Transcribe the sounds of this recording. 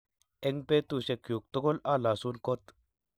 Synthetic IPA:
e˦ŋpe˦t̪u˨ʃe˨kju˨k̚t̪o˦ko˦la˦la˨su˦nko˦t̪

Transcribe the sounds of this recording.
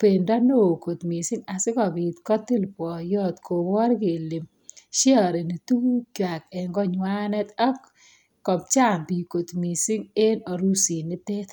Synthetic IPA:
pe˨ndɔ˦no˦o˨ko˨t̪mi˨sɪ˦ŋa˨sɪ˦kɔ˨bi˨t̪kɔ˦t̪ːi˦lpwɔ˨jɔ˦t̪kʰo˨ɔ˦ɾɡe˨li˨m | ʃjɔ˨ɾe˨ni˨tu˦u˦kwa˨kɛ˨ŋɡɔ˦ɲwa˦nɛ˦t̪ɔ˦kː | ɔ˨p̚t͡ʃa˦˨mpi˨ko˨t̪mi˨si˦ŋe˦nɔ˨ɾu˦si˨nɪ˦t̪e˦t̪

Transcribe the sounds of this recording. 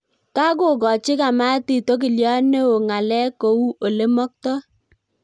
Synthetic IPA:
ka˦k̬ʊ˦˨kɔ˨t͡ʃɪ˦ka˨ma˦ti˨to˦k̬i˨ljɔ˦ne˦o˨ŋa˨lɛ˦ko˨u˦o˨le˦mɔ˦k̚tɔ˦

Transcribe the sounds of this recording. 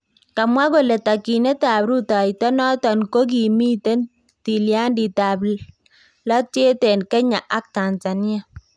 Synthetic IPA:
ka˨mwa˦ko˨le˨ta˨ki˨ne˦ta˨bɾu˦ta˨jtɔ˦nɔ˦tɔ˨nko˦k̬i˨mi˦te˦n | ti˨lja˦ndi˨ta˨bl | lɔ˦t̚t͡ʃe˦te˨nkɛ˦ɲa˨ʔa˦k̚ta˨nza˨ni˦a˨

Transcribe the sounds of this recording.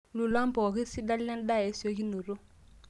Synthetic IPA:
lu˨la˦mpɔ˨ki˦si˦da˦lːa˦n˦da˦˨e˦so˦ki˦nu˨ɾu˦

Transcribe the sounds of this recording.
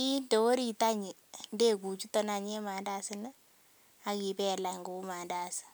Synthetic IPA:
i˦ndo˨wo˦ɾi˨ta˦ɲi˨ | nde˦˨ku˨t͡ʃu˦tɔ˦na˨ɲe˦ma˨nda˦sɪ˦n˦ | a˦ki˨pɛ˦˨la˨ŋɡo˦ma˨nda˨sɪ̥˨

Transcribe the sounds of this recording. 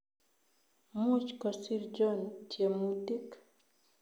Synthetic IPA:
mu˦t͡ʃkɔ˨si˦ɾd͡ʒɔ˦nd͡ʒe˨muti˦k

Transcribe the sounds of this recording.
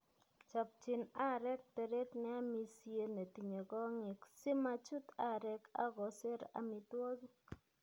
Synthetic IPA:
t͡ʃɔ˨p̚t͡ʃɪ˨na˦˨ɾɛ˦k̚te˨ɾe˦tnɛ˦a˦mi˦sje˦ne˨ti˨ɲe˨kɔ˦ŋɪ˨ksi˦ma˦t͡ʃu˦t̪a˨ɾɛ˦ka̰˦ɣɔ˨se˦ɾa̰˨mɪ˨two˦zk

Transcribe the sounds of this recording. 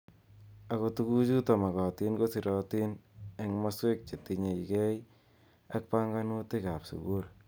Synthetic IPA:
a˨ko˨tu˦ku˦t͡ʃu˦tɔ˨ma˨kɔ˨ti˦nko˦si˨ɾɔ˨ti˦ne˨ŋma˦swe˦k̚t͡ʃe˨ti˨ɲe˨i˨kɛ˦j | a˦k̚pa˦ŋɡa˦nu˦te˦ka˨psṵ˨ɡu˦ɾ

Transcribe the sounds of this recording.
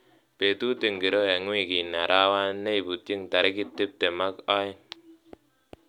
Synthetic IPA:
pe˨tu˦ti˨ŋɡi˨ɾo˦ja˨ŋwi˦˨ki˨na˨ɾʔa˦wa˦ne˦jbu˨ti˦ŋta˨ɾki˦tːi˦p̚te˨ma˦kɔ˦i˦

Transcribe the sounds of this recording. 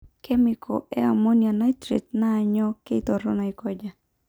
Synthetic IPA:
kɛ˦mɪkʰɔ̰˨ɛ˦a˨mo˦nia˨na˦tɾḛ˨tnaː˨ɲɔ˦ke˦i˦t̪ɔ˨ɾɔ̰˦na˨i˨kɔ˦d͡ʒa˨

